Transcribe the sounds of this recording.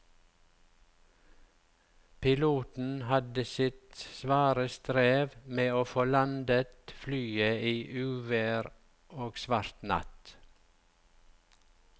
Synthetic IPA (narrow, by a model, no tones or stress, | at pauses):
pʰɪluːt̪n̩hɑd̪əsɪt̪sʋɑːɾəst̪ɾeːʋmeːoːfolɑnd̪ət̪flyːəiːʔʉːʋəɾ | oːɡsʋɑɾt̪nɑ̰t̪